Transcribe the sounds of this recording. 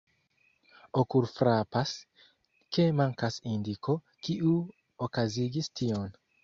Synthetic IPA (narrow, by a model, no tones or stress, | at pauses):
okuɾfɾapas | ke̞maŋkasindikʰo̞ | kiu | okaziɡistio̞n